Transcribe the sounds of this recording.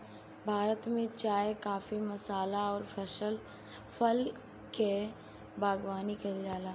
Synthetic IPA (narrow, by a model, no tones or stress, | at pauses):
bʱaːɾət̪mẽt͡ʃaːjekaːfimɐsaːlaɔːɾpʰəʃəl | pʰəl | ke | bʱaːɡwaːnikɐld͡ʒaːlaː